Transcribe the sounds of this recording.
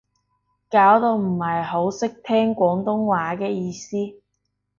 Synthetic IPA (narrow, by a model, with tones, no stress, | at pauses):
kaː˨˥wt̪o˧wm̩˨˩hɐ˨jho˨˥wsɪ˥k̚t̪ʰɛː˥ŋkʷɔː˨˥ŋt̪ʊ˥ŋwaː˨˥kɛː˧jiː˧siː˥